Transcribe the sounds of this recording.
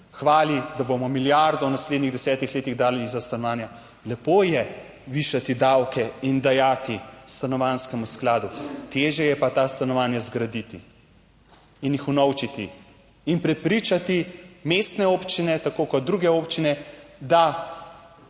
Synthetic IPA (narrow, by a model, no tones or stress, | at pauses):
xʋaːlid̪abomɔmiljaɾd̪ɔwnasled̪niɣd̪ɛsɛːt̪ixleːt̪iɣd̪aːlɛlizast̪anɔʋaːnja | lɛpoːjɛ | ʋiːʃat̪id̪awkɛind̪ajaːt̪ist̪anɔʋanskɛmusklaːd̪ut̪eːʒjɛjɛpat̪aːst̪anɔʋaːnjazɡɾad̪it̪i | injixunɔwt͡ʃit̪iː | npɾɛpɾiːt͡ʃat̪imeːst̪nɛoːpt͡ʃinɛt̪akoːkɔt̪̚d̪ɾuɡɛoːpt͡ʃinɛd̪a